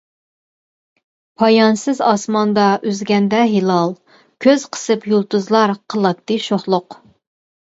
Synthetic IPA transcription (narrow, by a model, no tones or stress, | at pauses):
pʰɑjɑnsɨzɑsmɑnd̪ɑʔyzɡʲɛnd̪ɛɦilˠɑlˠ | kʲʰøz̥qʰə̥sɨpjulˠt̪uzlˠɑɾqʰəlˠɑk̚t̪ːɨʃoχlˠʊq